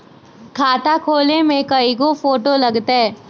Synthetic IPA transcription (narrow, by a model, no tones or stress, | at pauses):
kʰaːt̪akʰoːlemẽkɐiɡofoːʈolɐɡt̪aɦɛː